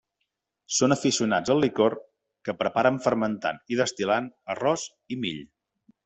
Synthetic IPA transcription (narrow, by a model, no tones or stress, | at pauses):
sonəfisiunad͡zəlˠːikor | kəpɾəpaɾəɱfəɾmənt̪a̰niðəst̪ilanərɔz | imḭʎ